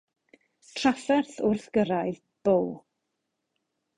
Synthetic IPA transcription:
tʰrafɛrθʊrθɡ̥əɾajð | b̥ow

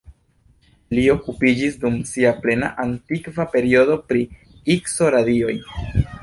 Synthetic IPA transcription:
lio̞kupid͡ʒisdumsiaple̞na̰ʔantikvape̞ɾio̞do̞pɾi | ikso̞ɾadio̞j

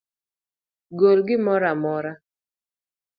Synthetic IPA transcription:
ɡolɡɪmɔɾamɔɾa

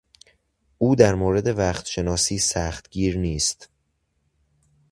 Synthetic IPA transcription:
ʔuːd̪æɾmoːɾe̞d̪e̞væːxt̪ʃe̞nɒːsiːsæːxt̪ɟiːɾniːst̪

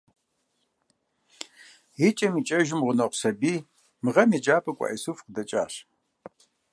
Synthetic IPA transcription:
it͡ʃʼɐmiːt͡ʃʼɐʒɪmʁʷʊnɐqʷsɐbiː | mɨʁɐmid͡ʒaːpʼɐkʷʼa̰ʔisufqədɐt͡ʃʼa̰ːɕ

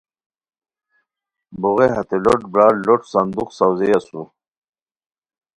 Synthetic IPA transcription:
buɣeɦat̪eloʈbɾaːloʈsand̪uqsawzejasu

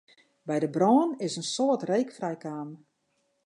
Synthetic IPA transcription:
bɛjdəbrɔːnɪsənsoətrejkfrɛjkaːmə

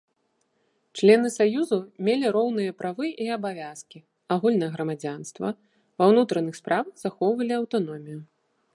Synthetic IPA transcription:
t͡ʂlʲɛnɨsajuzumʲelʲiɾɔwnɨjɐpɾavɨʔiɐbavʲaskʲi | aɣulʲnɐjɐɣɾɐmad͡zʲanst̪vɐ̰ | vɐwnut̪ɾɐnɨxspɾʔavɐɣz̥axɔwvɐlʲiɐwt̪anɔmʲiju

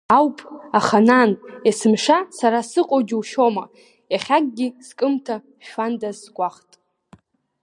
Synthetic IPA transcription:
awpʼaχananesɨmʂasaɾasɨqʼod͡ʒwʃoma | jaχʲaɡʼɡʲiskʼɨmtʰa | ʃandazkʷʼaχtʼ

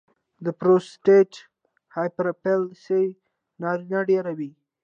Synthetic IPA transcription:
d̪əpɾosʈeʈ | hajpɾopelse | nɑɾinaɖeɾawi

